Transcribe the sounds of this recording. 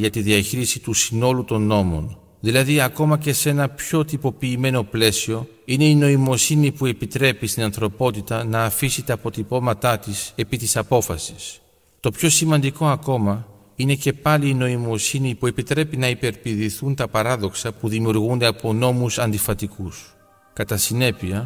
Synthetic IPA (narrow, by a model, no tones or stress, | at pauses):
ʝɐt̪iðiɐçiɾisit̪usino̞lut̪o̞nːo̞mo̞̰n | ðilɐðiɐko̞mɐce̞se̞nɐpço̞t̪ipo̞piːme̞no̞ple̞sio̞ | ine̞ino̞imo̞sinipue̞pit̪ɾe̞pist̪inɐnθɾo̞po̞t̪it̪ɐnɐːfisit̪ɐːpo̞t̪ipo̞mɐt̪ɐt̪ise̞pit̪isɐpo̞fɐsi̥s | t̪o̞pço̞simɐnd̪iko̞ɐko̞mɐ | ine̞ce̞pɐliːno̞imo̞sinipue̞pit̪ɾe̞pinɐipe̞ɾpiðiθunt̪ɐpɐɾɐðo̞ksɐpuðimijuɾɣund̪e̞ɐpo̞no̞musɐnd̪ifɐt̪ikus | kɐt̪ɐsine̞piɐ